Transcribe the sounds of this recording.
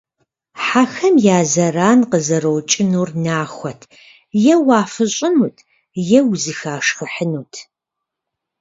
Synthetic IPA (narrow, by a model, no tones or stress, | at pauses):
ħaxɐmjaːzɐraːnqəzɐɾowt͡ʃʼɪnuːrnaːxʷɔtʰ | jɛwaːfɨɕʼɪnuːtʰ | jɛwzɨxaːʂxɨħənuːtʰ